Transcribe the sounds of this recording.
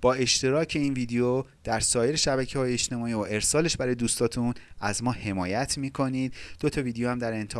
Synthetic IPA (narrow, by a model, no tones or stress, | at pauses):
b̥ɒːe̞ʃt̪e̞ɾɒːcʰe̞iːnviːd̪ejo | d̪̥æɾsɒːje̞ɾeʃæbæcʰehɒːjeeʃt̪e̞mɒːiːoʔe̞ɾsɒːle̞ʃbæɾɒːjed̪uːst̪ɒːt̪ʰun | æzmɒːhe̞mɒːjæt̪ʰmiːkʰo̞niːd̪̥ːot̪ʰɒviːd̪ejohæmd̪æɾe̞nt̪ʰe